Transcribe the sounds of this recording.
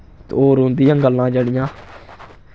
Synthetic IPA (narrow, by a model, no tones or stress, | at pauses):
t̪oːɾõːnd̪ijãːɡəlːãːd͡ʒəɽijãː